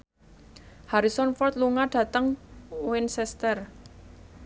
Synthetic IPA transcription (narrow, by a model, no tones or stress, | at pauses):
haɾisɔnfɔrt̪luŋaɖ̥ä̤t̪əŋwɪnsɛst̪ər